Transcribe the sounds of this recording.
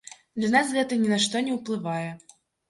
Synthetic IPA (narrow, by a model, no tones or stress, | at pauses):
d̪lʲanasɣɛt̪ɐnʲɛnaʂt̪ɔnʲɛwplˠɨvajɛ